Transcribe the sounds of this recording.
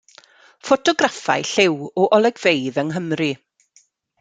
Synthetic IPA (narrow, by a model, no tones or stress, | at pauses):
fɔtʰɔɡrafa̰jɬɪwɔʔɔlˠɛɡvejðəŋɦəmrɨ